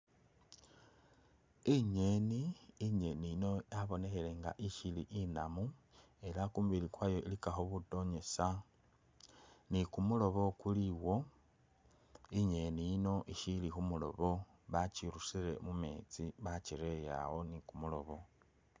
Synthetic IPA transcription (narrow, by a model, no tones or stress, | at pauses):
iɲe̞niːɲe̞nijino̞aβo̞ne̞xele̞ŋɡa̰ʔiʃiliʔinamu | e̞lakumuβilikwaːjo̞ilikaxoβuto̞ɲe̞sa | nikumulo̞βo̞kuliwo̞ | iɲe̞nijino̞ʔiʃilixumulo̞̰βo̞ | βat͡ʃiɾusiɾe̞̰mume̞ːt͡siβat͡ʃiɾe̞ja̰ɣo̞nikumulo̞̰βo̞